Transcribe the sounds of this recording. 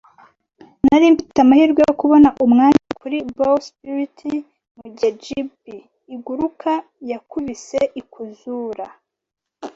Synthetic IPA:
naɾiːmbi̥tamahiɾɡwejokuβo̞naʔumŋaːɲakuɾibolspuɾitʰi | muɟad͡ʒibiː | ɡuɾuka | jakuβiseʔikʰuzuːɾa

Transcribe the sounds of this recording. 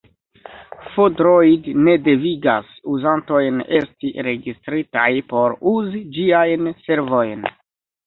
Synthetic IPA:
fodɾojdne̞de̞viɡasuzanto̞jne̞stiɾe̞ɡistɾitajpo̞ɾuzid͡ʒiajnse̞ɾvo̞jn

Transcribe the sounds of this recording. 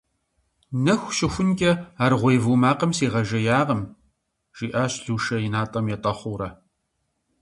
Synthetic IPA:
nɐxʷʃɪxʷʊnkʲʼɐaːrʁʷejvuːmaːqɐmsiːʁɐʒɐjaːʁɐm | ʒ̥iːʔaːɕɬuːʃɐjɪnaːtʼɐmjɛtʼɐχʷʊːɾɐ

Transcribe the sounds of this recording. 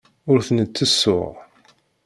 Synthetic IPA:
ʊɾθənət͡sːəsːʊ̰ʁ

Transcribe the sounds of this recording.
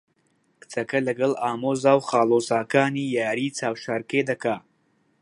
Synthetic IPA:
kɨ̥t͡sɐkɐlɐɡɐlˠaːmoːzaːwχaːlˠoːzaːkaːniːjaːɾiːt͡saːwʃaːɾkeːd̪ɐkaː

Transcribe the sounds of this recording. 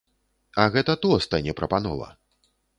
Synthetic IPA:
ɐɣɛt̪ɐt̪ɔst̪anʲɛpɾɐpanɔ̰vɐ̰

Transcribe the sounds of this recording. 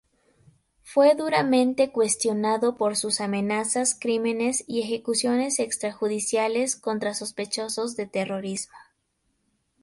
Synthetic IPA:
fwe̞ðuɾamẽ̞nt̪e̞kwe̞st̪jo̞naðo̞po̞ɾsusamẽ̞nasaskɾime̞ne̞sie̞xe̞kusjo̞ne̞se̞kst̪ɾaxuðisjale̞sko̞nt̪ɾaso̞spe̞t͡ʃo̞so̞zðe̞t̪e̞ro̞ɾizmo̥

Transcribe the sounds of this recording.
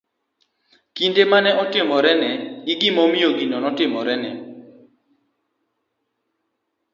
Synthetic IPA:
kindemanɛʔɔtɪmɔɾɛnɛɡiɡɪmɔmioɡinɔnɔtɪmɔɾɛnɛ

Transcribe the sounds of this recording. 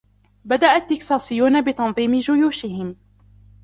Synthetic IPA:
bad̪aʔat̪ːɪksɑːsɪjːuːnabɪt̪ɑnðˤiːmɪd͡ʒʊjuːʃɪhɪm

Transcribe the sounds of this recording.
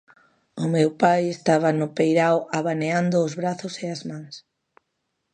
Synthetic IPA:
ʊmewpajest̪aβ̞ɐnʊpejɾawʔaβaneand̪ʊːzβɾaθʊseazmãŋs

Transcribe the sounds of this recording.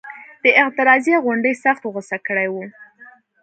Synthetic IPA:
d̪̥əɪqt̪ɪɾɑzjeɣʊɳɖəjsaxt̪ɣəsakəɽajwu

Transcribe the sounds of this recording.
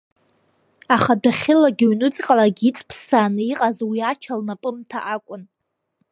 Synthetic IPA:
aχadaχʲɪlaɡʲɪɥnɨt͡sʼqʼalaɡʲit͡sʼpʰsaːnɨiqʼazwiat͡ʃʰalnapʼɨmtʰa̰ʔakʷʼʊn

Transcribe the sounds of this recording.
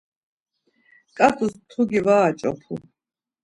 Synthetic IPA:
kʼafʰʼust̪ʰuɡivaːt͡ʃʼɔ̰pʰṵ

